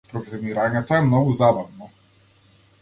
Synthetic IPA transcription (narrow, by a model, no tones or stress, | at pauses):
pɾɔblɛmiɾaɲɛt̪ɔɛmnɔɡuzabavnɔ